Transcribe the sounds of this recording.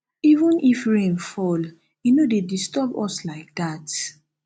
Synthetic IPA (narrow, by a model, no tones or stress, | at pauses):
ivũnʔifɹẽnfɔl | inodedistɔbɔ̰slaɪk̚dat